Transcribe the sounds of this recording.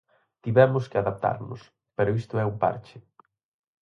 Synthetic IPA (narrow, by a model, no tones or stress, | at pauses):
t̪iβɛmʊskɪaðap̚t̪a̰ɾnʊ̰s | peɾʊist̪ʊɛumpa̰ɾt͡ʃɪ